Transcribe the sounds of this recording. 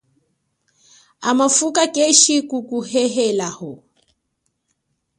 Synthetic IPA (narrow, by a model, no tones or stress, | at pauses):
amafukakʼeʃikukuhɛɦɛlahɔ